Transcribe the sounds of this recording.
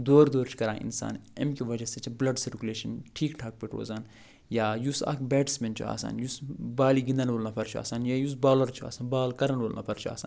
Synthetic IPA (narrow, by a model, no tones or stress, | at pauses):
d̪oːɾd̪oːɾt͡ʃʰkɐɾã̰ːʔḭnsa̰ːnḛmkiʋɐd͡ʒɐset͡ʃʰiblɐɖsiɾkʲuleːʃɐnʈʰiːkʈʰaːk̚peʈʰo̰ːzaːn | jaːjusa̰ːkʰbɛːʈsmʲent͡ʃʰṵa̰ːsa̰ːnjusbaːliɡĩnd̪ɐnʋoːlnɐpʰɐɾt͡ʃʰua̰ːsaːnjaːjus̬baːlɐɾt͡ʃʰua̰ːsaːnbaːlkɐɾɐnʋoːlna̰pʰɐɾt͡ʃʰua̰ːsa̰ːn